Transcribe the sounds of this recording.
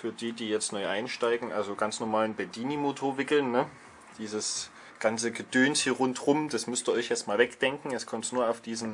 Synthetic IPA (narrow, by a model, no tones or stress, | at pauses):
fyːɐdiːdiːjɛt͡stnɔʏʔaɪnʃtaɪɡŋ̩ʔalzoɡant͡snɔɐmaːlənbɛdiːnimotʰoːɐvɪkl̩nːə | d̥iːzəs | ɡ̥ant͡səɡəd̥øːnshiːɐʁʊntʁʊmd̥asmʏstiːɐʔɔɪçjɛt͡stmaːlvɛkd̥ɛŋkŋ̩ɛskʰɔmtnuːɐaʊfd̥iːzn̩